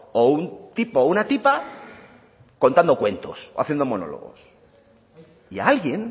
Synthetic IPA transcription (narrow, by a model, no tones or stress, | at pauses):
ount̪ipounat̪ipa | ko̞nt̪and̪o̞kwe̞nt̪o̞̰soa̰θjend̪o̞mo̞no̞̰lo̞̰ɣo̞̰s | ialɣje̞n